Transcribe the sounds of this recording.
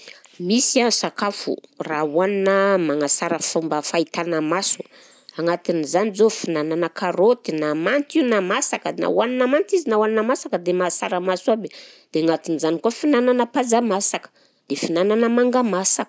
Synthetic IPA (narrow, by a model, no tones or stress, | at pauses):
misiansakafṵrauaninəmaŋasaɾəfumbəfait̪anəmasu | aŋat̪inizanizofinananəkʰaɾot̪inamant̪iunamasakəna̰waninamant̪izinawaninamasakəd̪emasaɾamasuabe | d̪̥eaŋat̪inizanikoafinananəpazamasakə̥ | d̪̥efinananəmaŋɡamasakə̥